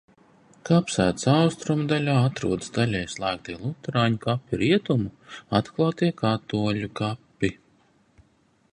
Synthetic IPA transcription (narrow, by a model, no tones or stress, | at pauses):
kapsæ̰ːt̪sawst̪ɾumd̪alʲaːat̪ɾṵɔd̪sd̪alʲɛjslˠæːk̚t̪iɛlˠut̪ɾaːɲukapʲːiɾiɛt̪umuat̪klˠaːt̪iɛkat̪uɔlʲukapːi